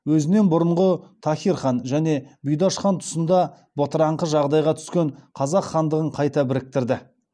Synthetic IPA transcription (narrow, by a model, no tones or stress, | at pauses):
wɵzɪne̞nbʊɾəɴʁət̪ʰɑχʲiɾχɑnʒæne̞bʊjd̪ɑʃχɑnt̪ʰʊ̥sənd̪ɑ | bot̪əɾɑɴqəʒɑʁd̪ɑjʁɑt̪ʰʏ̥skʲe̞ɴqʰɑzɑqχɑnd̪əʁəɴqʰɑjt̪ɑbɪɾɪk̚t̪ɪɾd̪ɪ